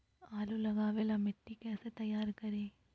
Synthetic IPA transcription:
aːlulɐɡaːʋeːlɐmeʈːikeːsɐt̪ɐjaːɾkɐɾeː

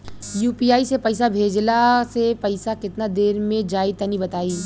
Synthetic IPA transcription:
juːpiːaːisepɐɪsabʱeːd͡ʒlasepɐɪsakɪt̪nad̪eːɾmẽd͡ʒaːit̪ɐnibɐt̪aːiː

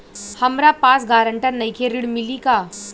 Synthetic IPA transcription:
hɐmɾapaːsɡaːɾə̃ɳʈəɾnɐikʰeɾɪɽmɪlikaː

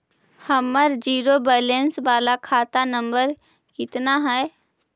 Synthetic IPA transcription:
həmːəɾd͡ʒiːɾobɛːlẽnsʋaːlakʰaːt̪anə̃mbəɾ | kɪt̪naɦɛː

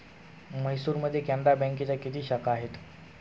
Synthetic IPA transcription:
məɦjsuːɾməd̪ʱːjekɛ̃nd̪ɾabə̃ŋkit͡ɕjakit̪iːɕəkaːɦet̪

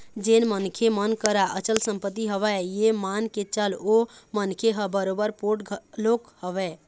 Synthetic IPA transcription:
d͡ʒenmənkʰemənkəɾaʔət͡ʃəlsəmpət̪ːiɦəβɛjemanket͡ʃəlomənkʰeɦəbəɾobəɾpoʈlokhəβɛ

